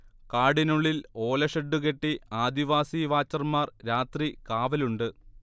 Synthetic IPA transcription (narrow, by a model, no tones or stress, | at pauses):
kaːɽinuɭːilo̞ːlɐʂɐɖːuke̞ʈːiaːd̪iʋaːsiʋaːt͡ɕːɐrmaːrɾaːt̪rikaːʋɐluɳɖɨ